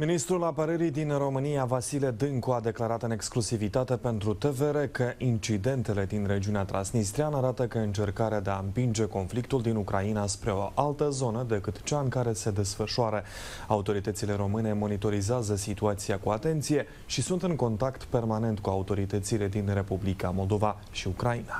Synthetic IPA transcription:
minist̪ɾulapəɾəɾid̪inro̞mɨnijavasiled̪ɨŋkuad̪e̞klaɾat̪ɨneksklusivit̪at̪e̞pe̞nt̪ɾut̪e̞ve̞ɾe̞kəʔint͡ʃid̪e̞nt̪e̞le̞d̪inre̞d͡ʒiuneat̪ɾa̰nsnist̪ɾianəaɾat̪əkəɨnt͡ʃe̞rkaɾead̪e̞aɨmpind͡ʒe̞ko̞nflikt̪uld̪inukɾainaspɾe̞o̞̰ʔalt̪əzo̞nəd̪e̞kɨt̪t͡ʃaɨŋkaɾe̞se̞d̪e̞sfəʃuaɾə | aut̪o̞ɾit̪ət̪sile̞ɾo̞mɨne̞mo̞nit̪o̞ɾizeazəsit̪uat̪siakuat̪e̞nt̪sije̞ | ʃisunt̪ɨŋko̞nt̪akt̪pe̞rmane̞nt̪kuaut̪o̞ɾit̪ət̪sile̞d̪inre̞publikamo̞ld̪o̞va | ʃiukɾaina

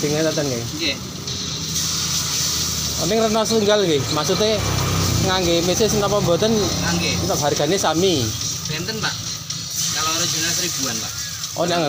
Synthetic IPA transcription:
d̪̥i̤ŋet̪ənt̪ənke | j | ɔ̰nɪŋrənɔsət̪uŋɡalkemaksut̪e | ŋaŋɡemesesənapɔmbɔt̪ənaŋɡet̪aʔbarɡ̥a̤nesamib̥ɛ̤nt̪ənpaʔ | kaloɾo̥d͡ʒ̥ṳnasɾib̥uanpaʔ | ʔɔne

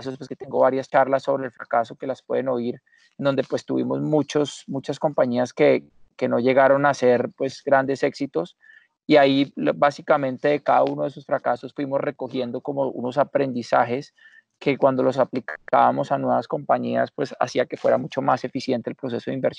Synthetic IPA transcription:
sospwesket̪eŋɡo̞βaɾjast͡ʃaɾlasːo̞βɾeːlfɾakaso̞ke̞laspwe̞ðeno̞iɾ | end̪o̞nd̪e̞pwe̞st̪uβimo̞zmut͡ʃo̞smut͡ʃasko̞mpaɲiaske̞ | ke̞no̞ʝe̞ɣaɾo̞nase̞ɾpwe̞zɡɾand̪e̞se̞ksit̪o̞s | iaibasikamẽ̞nt̪e̞ðekaðaunoðesosfɾakasosfwimo̞zreko̞xje̞nd̪o̞ko̞mo̞ṵno̞sapɾe̞nd̪isa̰xe̞s | ke̞kwand̪o̞lo̞saplika̰βamo̞sanwe̞βasko̞mpaɲia̰spwe̞sa̰siake̞fwe̞ɾamut͡ʃo̞mase̞fisje̞nt̪elpɾo̞s̬e̞so̞ðimbeɾs

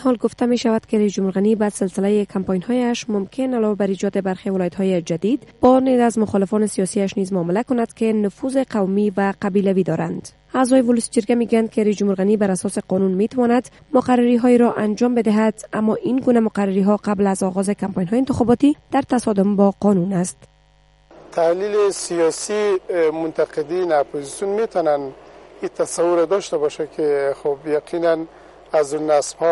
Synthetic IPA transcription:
hɔlɡʊft̪ameʃavad̪keɾajzd͡ʒʊmhuɾɣanibasɪlsɪlajekʰampɔjnhɔjaʃmʊmkʰenalɔvabaɾid͡ʒɔd̪ebaɾxewɪlɔjat̪hɔjed͡ʒad̪id̪bɔned̪azmʊxɔlɪfɔnɪsijɒsiaʃnizmʊːmɪlakʊnad̪̥kenʊfuzeqawmivaqabilavid̪ɔɾand̪̥ | aːzɔjevʊlusi̥d͡ʒɪɾɡameɡujand̪̚keɾaijzd͡ʒʊmhuɾɣanibaɾasɔseqɔnunmet̪awɔnad̪ | mʊqarːaɾiɦɔeɾɔʔand͡ʒɒmbed̪ɪɦad̪̥amːɔʔinɡunamʊqaɾːaɾiɦɔqablazɒɣɔzekampɔjnɦɔjːnt̪ɪxɔbɔt̪id̪̥aɾt̪asɔd̪ʊmbɔqɒnunast̪ | t̪ʰahlilesijɔsimʊnt̪aqed̪inapʰozisjunmet̪ʰɔnanit̪ʰasawuɾad̪ɔʃt̪abɔʃakʰexobjaqʰinan | azunasbhɔ

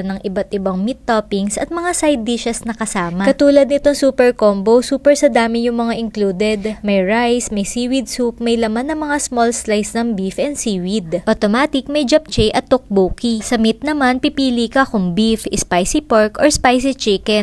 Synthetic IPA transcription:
nɐŋʔɪbat̪ʔɪbaŋmit̪ːopɪŋsɐt̪̚mɐŋasajd̪iʃɐsnɐkɐsaːmɐkɐt̪uːlɐd̪̚nɪt̪oŋsuːpɛɹkombosuːpɛɹsɐd̪aːmɪjʊŋmɐŋaʔɪŋkluːd̪ɛd̪mɐjɹajsmɐjsiːwid̪̚sup̚mɐjlɐmanːɐŋmɐŋasmolslajsnɐŋbifʔɛnsiːwid̪ʔot̪omaːt̪ɪk̚mɐjd͡ʒɐp̚t͡ʃɛjʔɐt̪ːok̚buːkisɐmit̪̚nɐmanpipiːlikɐkʊŋbifʔɪspajsipaɹkʔoɹspajs̬it͡ʃɪkɛn

